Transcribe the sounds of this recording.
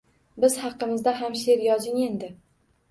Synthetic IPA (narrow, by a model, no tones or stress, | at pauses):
bɪzhɑqːɨmɪzd̪aɦamʃe̞ɾjɒzɪŋe̞nd̪ɪ